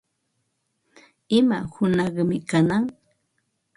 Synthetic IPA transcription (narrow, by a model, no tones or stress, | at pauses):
ɪmahʊnɑχmɪkanaŋ